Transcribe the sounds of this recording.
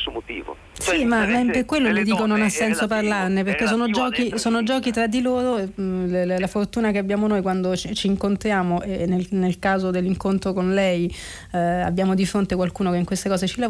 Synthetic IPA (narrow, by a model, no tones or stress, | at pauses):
somot̪iːvo̰ | simament̪ekwelːolid̪iːkononasːɛnsoparlarneperkes̬ːoːnod͡ʒɔːkisoːnod͡ʒɔːkit̪ɾad̪ːiloːɾollafort̪uːnakeabjaːmonojkwand̪ot͡ʃit͡ʃiːŋkont̪ɾjaːmoʔenːelnelkaːzod̪elːiŋkont̪ɾokonlɛj | a̰bjaːmod̪ifɾont̪ekwalkuːnokeiŋkwest̪ekɔːzet͡ʃila